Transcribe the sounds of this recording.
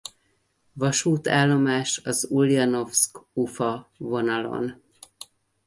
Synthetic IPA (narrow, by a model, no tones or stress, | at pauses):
vɒʃuːt̪aːlːo̞maːʃɒzuliɒno̞fskufɒvo̞nɒlo̞̰n